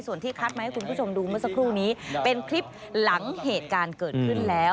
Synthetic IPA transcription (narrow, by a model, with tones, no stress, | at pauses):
jsu˨˩ənt̪ʰiː˥˩kʰaː˦˥˩t̪ma˦˥ha˥˩jku˧npʰuː˥˩o˧mduː˧mɯ˥˩ɐsa˧˥kʰɾuː˥˩niː˦˥pe˧nkʰɾi˦˥p̚ | la˩˦ŋheː˨˩t̪̚kaː˧nkɤː˨˩t̪̚kʰɯ˥˩nlɛː˦˥w